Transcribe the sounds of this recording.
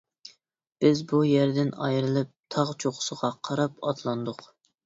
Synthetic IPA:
b̥ɪzbujæɾd̪ɪnɑ̰jɾɨlˠɨp̚t̪ʰɑʁt͡ʃʰoqʊ̥səʁɑqʰɑɾɑpɑ̰t̪ʰlˠɑnd̪ʊq

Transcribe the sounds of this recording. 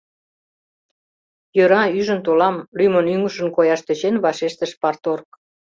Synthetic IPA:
jøɾɑyʒənt̪olɑmlymənyŋəʃə̆nkojɑʃt̪øt͡ɕenβɑʃeʃt̪əʃpɑrt̪ork̚

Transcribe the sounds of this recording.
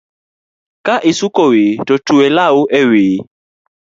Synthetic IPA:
kaʔisukowetotuwɛlaoʔɛweː

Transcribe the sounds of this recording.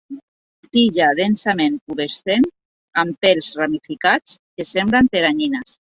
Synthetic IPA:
t̪iʎaðensamenkuβest̪en | ampelzramifikat͡skesemblant̪eɾaɲinas

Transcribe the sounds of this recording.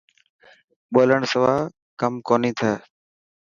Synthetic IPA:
ɓoːləɳsəʋaː | kəmkoːniːt̪ʰəː

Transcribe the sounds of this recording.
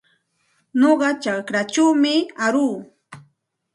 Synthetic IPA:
noɢɑt͡ʃakɾat͡ʃawmɪaɾuː

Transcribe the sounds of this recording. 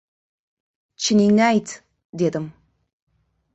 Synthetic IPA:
t͡ʃʰɪninajtʰ | deːdɨm

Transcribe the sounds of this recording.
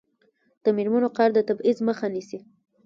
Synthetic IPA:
d̪̥əmeɾmanoqɑɾd̪ət̪abizməxanisi

